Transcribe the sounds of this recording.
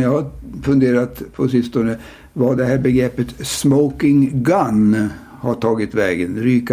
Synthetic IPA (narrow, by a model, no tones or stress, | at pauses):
jɑhafɵnd̪eːɾat̪pʰɔsɪst̪ɔnə | vaɖ̪ɛhæːɾbɛɡɾɛpːət̪smɔʊkɪŋɡan | haʈʰɑːɡɪt̪vɛːɡənɾyːk